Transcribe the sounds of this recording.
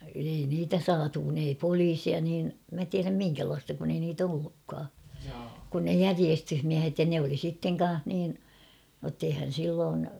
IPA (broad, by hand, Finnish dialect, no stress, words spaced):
ei niːtæ sɑːtu kun ei poliːsiɑ niːn mæ tiæræm miŋkælɑːstɑ kun ei niːt olːukːɑː kun ne jæriestyhmiæhet jɑ ne oli sitːeŋ kɑn̞h niːn notː eihæn̞ silːoːn